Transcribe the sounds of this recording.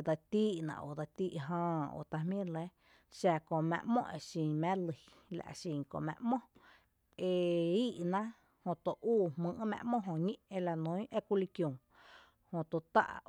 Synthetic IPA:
d̪a˧t̪iː˦ʔnã̰˨ʔo̰˨d̪a˧t̪iː˦ʔɦãː˧o̰˧˨t̪a˧hmĩ˦˨le˦ | ʃa˧kõ˧˨mɛ̰̃˧˨ʔmõ̰˦ʔe˧˨ʃĩ˧mɛ̃˦lɨ˧ | la̰˨ʔʃĩ˧˨kõ̰˧˨ʔmɛ̰̃˧ʔmõ˦ | e˧iː˦ʔnã˦ | hõ˧˨t̪o˧˨ʔuː˦˨hmɨ̃˧ʔmɛ̰̃˧ʔmõ˦ʔɦõ˧˨ɲĩ˦ʔe˧la˧nõ˨˦j̃ʔe˦ku˧li˧kjõ˨ | hõ˧t̪o˧t̪a̰˦ʔ

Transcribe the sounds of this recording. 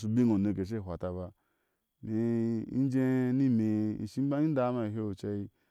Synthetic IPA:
s̬u˧bi˦ŋo˨ne˧˨ke˨ʃ̬e˦˨ɦʷa˨ta˧ba˧ | me˨˧i˦d͡ʒe˦ni˦me˨ʃi˦ba˦i˦n˦da˦ma˧i˨ɦe˦o˨t͡ʃa˧i˧

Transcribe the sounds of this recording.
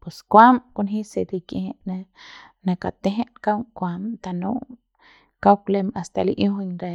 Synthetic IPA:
pwe˨skʷa˦mku˧nɦĩ˦se˨d̪i˧kje˧he˧˦ʔnẽ˦nã˧ka˨t̪e˦ɦẽ˦ʔka˦wkʷa˧mt̪a˧nṵ̃˦ | ka˦wkle˧ma˨st̪a˧˨li˧ʔjũ˦hɲɾe˧

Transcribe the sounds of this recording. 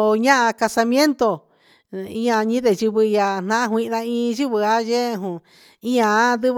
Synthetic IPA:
ɲã˦ʔã˧ka˧sa˧mj̃ẽ˦nt̪o˧ | ĩ˦ã˧ɲĩ˦ðe˨ʒu˧βɨ˧ja˧n̥nã˦ʔã˦ɦwʷĩ˧ʔða˧ĩ˧ʒu˦βɨ˧a˦je˦˧ɦũ˨ | ĩ˦ã˧˦ðɨ˦β

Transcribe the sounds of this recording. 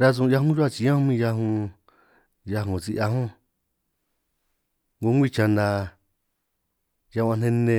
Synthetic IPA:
ɾa˧z̬ũ˧ja˧ɦũ˦ʒu˦a˦˧t͡ʃi˧˦ã˦hũ˧˦mĩ˧ja˧ɦũ˧ | ja˧ɦõ˨t͡si˧ʔa˧ɦũ˦ | ŋɡu˧˦ŋɡʷi˦˧˨t͡ʃa˧nd̪a˧ | ja˧ã˧n̥ẽ˧nẽ˧

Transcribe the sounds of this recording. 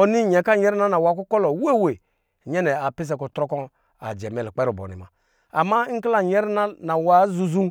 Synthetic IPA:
o˨ni˦ɲɛ˨ka˦˨ɲɛ˦ɾi˦na˦na˨wa˨˦ku˦kɔ˦lo˨we˦˨we˨ | ɲɛ˦nɛ˨a˨pi˦s̬ɛ˨˦ku˨tɾɔ˦kɔ˦ | a̰˨d͡ʒɛ˨mɛ˨lk͡pɛ˦ɾu˨bo̰˨nḭ˨ma̰˨ | a˨ma˦ŋ̩˦kla˨ɲɛ˦ɾi˦na˦na˨wa˦zu˨zu˦

